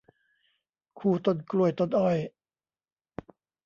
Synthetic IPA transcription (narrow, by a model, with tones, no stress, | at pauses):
kʰuː˧˩t̪o˧˩nklu˧˩əjt̪o˧˩nʔɔ˧˩j